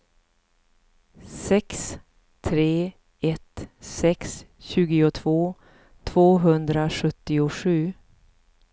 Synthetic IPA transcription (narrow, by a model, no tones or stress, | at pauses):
sɛks | t̪ʰɾeː | ɛt̪sɛksɕʉ̟ːɡɪʊt̪ʰv̥oː | t̪ʰv̥oːɦɵnd̪ɾaɧɵt̪ːɪʊɧʉ̟ː